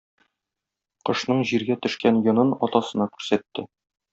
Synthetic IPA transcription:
qɤ̆ʃnɤɴʑiɾɡæt̪ɵ̆ʃkænjɤ̆nɤnɒ̰t̪ɑsɤ̆nɑkʉɾsæt̪ːɘ

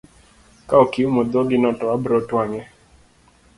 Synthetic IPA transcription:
kaokiumɔd̪ɔɡɪnɔtɔwabɾɔtwaŋɛ

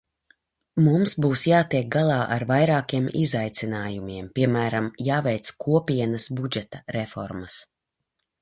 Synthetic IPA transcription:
mumsbuːsjaːt̪iɛk̚ɡalˠɑːʔaɾvajɾaːkiɛmizajt̪sinaːjumiɛmpʲiɛmæːɾamjaːvɛjt̪skʰuɔpʲiɛnɐsbud͡ʒɛt̪ɐɾɛfɔ̰ɾmas

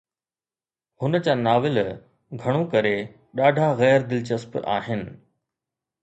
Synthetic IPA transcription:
hʊnət͡ɕaːnaːʋɪl | ɡʱɐɽ̃õkɐɾe | ɗaːɖʱaɣɛːɾd̪ɪlt͡ɕɐspa̰ːɦɪnɪ̆

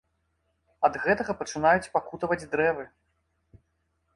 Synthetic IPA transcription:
ɐd̪ɣɛt̪ɐɣɐpɐt͡ʂɨnajut͡sʲpakut̪ɐvɐd͡zʲd̪ɾɛvɨ

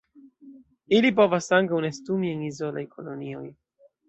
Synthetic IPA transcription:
ilip̬o̞vasaŋkawnestumienizo̞la̰jko̞lonio̞̰j

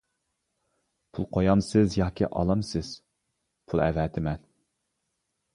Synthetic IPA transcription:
pʰulˠqʰojɑmsɪzjɑːkʲḭʔɑ̰lˠɑmsɪz̥ | pʰulˠɛ̰vɛt̪ʰɪmɛn

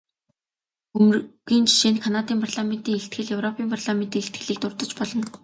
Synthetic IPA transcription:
ɵmɣiːnt͡ɕʰi̥ʃeːnkʰanat̪iːmpʰarɮament̪iːŋeɬt̪ɡɘ̆ɮjɵwrɔpʰiːmpʰarɮament̪iːŋeɬt̪̚ɡɘ̆ɮiːk̚t̪ʊrt̪ɞ̆t͡ɕpɔɮɞ̆n

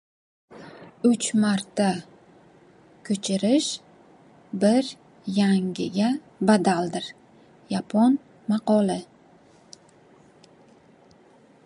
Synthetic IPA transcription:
ʊt͡ʃmaɾt̪ʰːa | kʲʰɵt͡ʃʰɪɾɪʃ | bɪɾ | jaŋʲɪɡʲa | bad̪ald̪ɪɾ | japʰɒn | mɑqɒlɪ

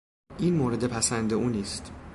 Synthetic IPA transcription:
ʔiːnmoːɾe̞d̪e̞pʰæsænd̪euːniːst̪

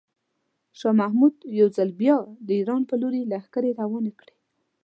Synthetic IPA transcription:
ʃɑmahmud̪jawzalbjɑd̪əiɾɑnpəloɾelaxkaɾeɾawɑnakɽe

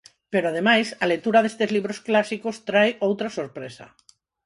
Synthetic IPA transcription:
peɾoað̞emajsalet̪uɾaðest̪ezliβ̞ɾosklasikost̪ɾajowt̪ɾasoɾpɾesa̰

